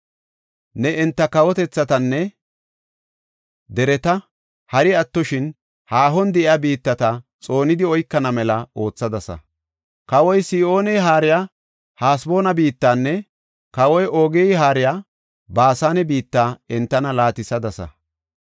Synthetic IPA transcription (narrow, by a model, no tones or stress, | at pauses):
nɛɛnt̪ːɐkɐwɔt̪ɛt͡sːɐt̪ɐnːɛ | d̪ɛɾɛt̪ɐ | hɐɾɪɐt̪ːɔʃɪn | haːɦɔnd̪ɛʔɪɐbiːt̪ːɐt̪ɐt͡sʼo̞ːnɪd̪ɪɔjkːɐnɐmɛlɐo̞ːt͡sːɐd̪ɐsɐ̰ | kɐwɔjsɪːo̞ːnɛjɦaːɾɪja | haːsbo̞ːnɐbiːt̪ːaːnːɛ | kɐwɔjʔoːɡɛɦaːɾɪjaː | baːsaːnɛbiːt̪ːaːɛnt̪ːɐnɐlaːt̪ɪsɐd̪ɐsɐ̰